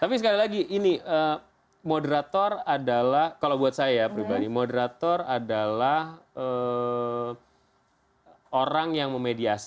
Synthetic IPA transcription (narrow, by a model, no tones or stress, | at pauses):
t̪apis̬əkalilaɡiʔiniʔəː | modəɾat̪ɔradalahkalawbuat̪̚sajaaapəɾibadimodəɾat̪ɔradalahə | oɾaŋjaŋməmediasi̥